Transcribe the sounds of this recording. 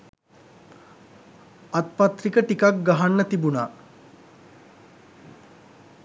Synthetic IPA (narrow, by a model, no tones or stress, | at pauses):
at̪̚pat̪rikəʈikak̚ɡaɦanːət̪ibunaː